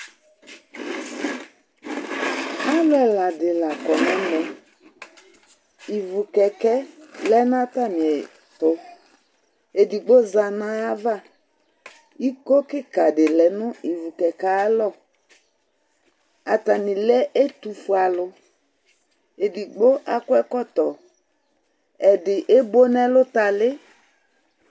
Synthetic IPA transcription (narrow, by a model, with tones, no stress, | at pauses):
a˦lʊ˦ɛ˨la˨dɪ˨la˨kɔ˨nɛ̃˦lɔ˨ | i˨vu˨kɛ˨kɛ˦lɛ˦n˦a˦ta˦˨nɪ̃˨ɛ˨ | tʊ˨ | e˨di˨ɡ͡bo˦za˨nã˦a˦va˦˨ | i˦ko˦kɪ˦ka˨dɪ˨lɛ˨nʊ̃˦i˨vu˨kɛ˨ka˨˦lɔ˦˨ | a˨ta˨nɪ̃˨lɛ˦ʔe˦tu˨fu˨a˨lʊ˨ | e˨di˨ɡ͡bo˦ʔa˦kʊ˦ɛ˦kɔ˦t̪ɔ˨ | ɛ˨dɪ˨ʔe˦bo˦nɛ˦lʊ˦ta˨lɪ˦